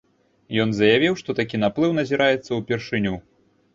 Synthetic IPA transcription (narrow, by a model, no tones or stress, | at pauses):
jɔnzɐjavʲiwʂt̪ɔt̪akʲinaplˠɨwnɐzʲiɾajɛt̪sːɐwpʲɛrʂɨnʲu